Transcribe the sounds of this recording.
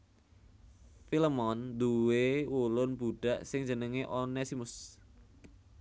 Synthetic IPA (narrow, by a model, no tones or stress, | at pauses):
filəmɔnd̪uwewulʊnb̥uɖ̥a̤ʔsɪŋd͡ʒənəŋeʔonɛsimʊs